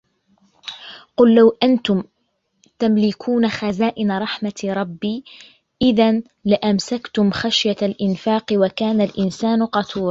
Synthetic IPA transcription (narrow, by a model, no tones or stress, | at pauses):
qʊlːawʔant̪ʊm | t̪amlɪkʰuːnaxazaːʔɪnaɾˤɑħmaɾˤɑbːiː | ʔɪðan | lɪʔamsakt̪ʊmxaʃjalʔɪnfaːqɨwakaːnalʔɪnsaːnʊqɑt̪ʰuːɾˤ